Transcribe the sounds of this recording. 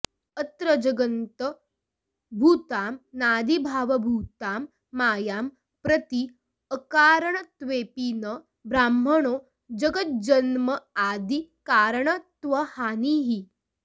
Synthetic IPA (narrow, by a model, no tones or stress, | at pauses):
ət̪ɾəd͡ʒɐɡənt̪ə | bʱuːt̪aːmnaːd̪ʱibʱaːʋɐbʱuːt̪aːmː | aːjaːm | pɾət̪i | əkaːɾəɳət̪ʋeːpiːnə | bɾaːmːəɳoː | d͡ʒɐɡət̪̚d͡ʒɐnmɐaːd̪ʱikaːɾɳɐt̪ʋɐhaːniɦi